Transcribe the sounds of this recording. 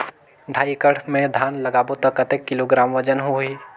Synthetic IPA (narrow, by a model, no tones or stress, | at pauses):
ɖʱaːikəɽmẽd̪ʱaːnlɐɡaːbot̪əkːɐt̪eːkːɪloɡɾaːmʋəd͡ʒənɦuɦiː